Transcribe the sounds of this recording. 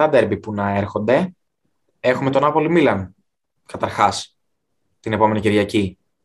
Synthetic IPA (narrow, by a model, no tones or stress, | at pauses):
ɐd̪e̞ɾbipunɐe̞ɾxo̞nd̪e̞ | e̞xume̞t̪o̞nɐpo̞limilɐn | kɐt̪ɐɾxɐs | t̪ine̞po̞me̞niciɾʝɐci